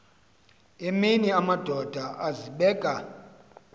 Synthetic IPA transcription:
eminiamad̥ʱɔd̥ʱaʔaziɓɛːɡ̥ʱa

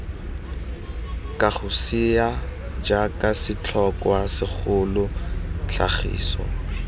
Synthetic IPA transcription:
kʼaχʊsiad͡ʒakʼasɪt͡ɬʰɔkʼwasɪk͡xʰʊlʊɬʰa̰χḭːsɔ̰

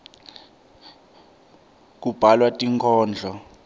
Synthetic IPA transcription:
k̬ub̥ʱalwatʼiŋkʰɔːnd͡ɮʱɔ

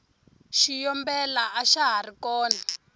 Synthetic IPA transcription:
ʃijɔmbɛlaʔaʃaɦarikɔːna

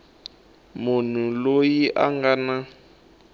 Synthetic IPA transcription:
mʊn̤ulojiʔaŋɡana

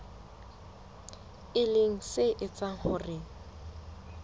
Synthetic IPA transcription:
ɪlɪŋ̩sɪʔɪt͡sʼaŋ̩hʊrɪ

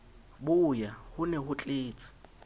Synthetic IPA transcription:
bʊjahʊnɛhʊt͡ɬʼeːt͡sʼɪ̥

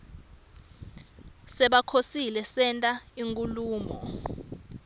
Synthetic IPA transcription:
sɛɓakʰosilɛsɛntʼaiŋkʼuluːmɔ

